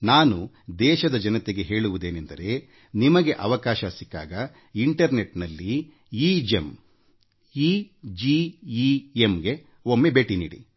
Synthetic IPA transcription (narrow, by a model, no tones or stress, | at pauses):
naːnu | d̪ɛːʃɐd̪ɐd͡ʒɐnɐt̪eɡe̞ɦe̞ːɭuʋud̪eːnend̪ɐɾe̞ | nimɐɡe̞ʔɐʋɐkaːʃɐsikːa̰ːɡɐ | iɳʈɐɾne̞ʈnɐlːi | id͡ʒem | id͡ʒiiemɡe̞ | omːe̞be̞ːʈinḭːɽḭ